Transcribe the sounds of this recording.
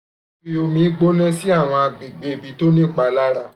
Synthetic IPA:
fi˦o˧mĩ˧˦ɡ͡bo˦nɛ̃˦si˦a˦˨w̃ɔ̃˧a˧ɡ͡bi˨ɡ͡be˨˦˨bi˨˦to˦nĩ˦˨k͡pa˧la˦ɾa˦˨

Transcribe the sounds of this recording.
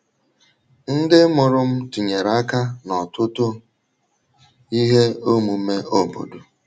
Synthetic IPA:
n̩˦dɪ˦mʊ˨ɾʊ˦m̩˦tu˨ɲe˨ɾa˦ka˦nɔ˨tʊ˦tʊ˦ | i˦ɦe˦o˦mu˨˦me˦ʔo˦bo̰˨do˨

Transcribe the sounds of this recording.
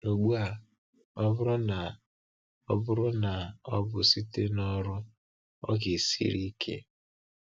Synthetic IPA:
no˨ɡ͡bu˦a˨ | ɔ˦bʊ˦ɾɔ˦na˨ | ɔ̰˦bʊ˦ɾʊ˦na˨ɔ˦bʊ˨si˦te˦nɔ˦ɾʊ˦ | ɔ̰˦ɡe˨sḭ˦ɾi˦kʰḛ˦

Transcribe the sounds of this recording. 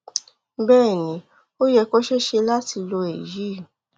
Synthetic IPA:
bɛː˦˨nĩ˨˦ | o˦jɛ˧ko˦ʃe˦ʃe˧la˦ti˧lo˧e˨ji˨˦˨

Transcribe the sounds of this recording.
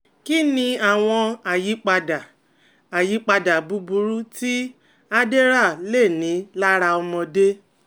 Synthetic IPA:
ki˦nĩ˧a˨w̃ɔ̃˧a˨ji˨˦k͡pa˧da˨ | a˨ji˨˦k͡pa˧da˨bu˨˦bu˧ɾu˦ti˦ | a˦de˦ɾa˦˨le˦˨nĩ˨˦la˦ɾa˧ɔ˧mɔ̃˧de˦

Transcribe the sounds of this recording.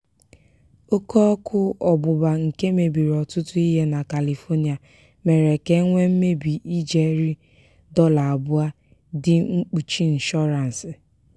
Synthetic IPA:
o˦kɔ˦kʰʊ˦ɔ˨bʊ˨ba˨ŋ̩˨ke˦me˨bi˨ɾɔ˨tʊ˦tʊ˦i˦ɦe˦na˨ka˨li˨fɔ˦ni˨a˨ | me˨ɾe˨ke˦ŋʷe˦m̩˦me˦bi˨ʔi˦d͡ʒe˨˦ɾi˦ | dɔ˦la˨a˨bʊ˦a˦ | dɪ˦ŋ͡m̩˦k͡pu˨t͡ʃi˦n̩˨ʃɔ˦ɾa˨n̩˨sɪ˨

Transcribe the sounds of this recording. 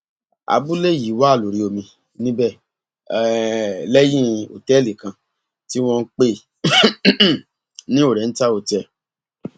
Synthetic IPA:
a̰˧˨bu˦le˦˨ji˨˦˨wa˦˨lo˨ɾi˨˧o˧mĩ˧ | nĩ˦bɛ˦˨ | lɛ˦jĩ˦o̰˨tɛ˦˨li˨kã˧ | ti˦w̃ɔ̃˧˦k͡pe˦˨ | nĩ˦o˦˨ɾɛ˨n̩˦ta˦o˨tɛ˧˨

